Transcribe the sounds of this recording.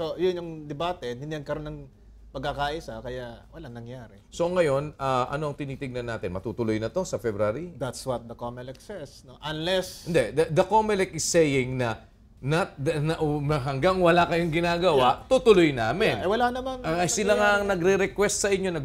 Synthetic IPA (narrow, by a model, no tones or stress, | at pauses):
sojʊnjʊŋd̪ɛbaːt̪ɛnhɪnd̪iɐɡ̚kɐɾonɐŋ | pɐɡ̚kakaʔɪsakɐjawɐlaŋnɐŋjaːɾɛso̞ŋɐjo̞nɐʔɐ̰no̞ɐŋt̪ɪniːt̪ɪɡ̚nɐnːaːt̪ɪnmɐt̪uːt̪ʊlojnɐt̪o̞sɐfɛbɾaːɾid̪at̪swɐt̪̚d̪ɐkomɛlɛksɛsnoʔɐnlɛsɪnd̪ɛd̪ɐd̪ɐkomɛlɛkɪsːɛjɪŋnɐ | nɐt̪̚dɐnɐʔɐɦɐŋɡaŋwɐlakɐjoŋɡɪnaːɡɐwaʔt̪uːt̪ʊlojnaːmɪnɐjwɐlanɐmanɐsɪlaŋaʔɐŋnɐɡɾɛɾɛkwɛst̪̚sɐʔɪɲo̞nɐ